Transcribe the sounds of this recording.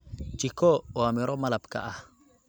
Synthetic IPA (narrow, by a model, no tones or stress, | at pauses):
t͡ʃikooamiɾomalapka̰ʔah